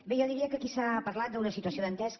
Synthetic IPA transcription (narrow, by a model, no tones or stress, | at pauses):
bejɔðiɾiəkəkisapəɾlat̪̚d̪əunəsit̪uəsioðənt̪ɛsk